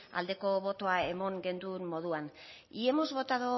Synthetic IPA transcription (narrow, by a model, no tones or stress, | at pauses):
a̰ld̪e̞ko̞βo̞t̪o̞ae̞mo̞ŋɡe̞nd̪ummo̞ð̞uan | ie̞mo̞zβo̞t̪aðo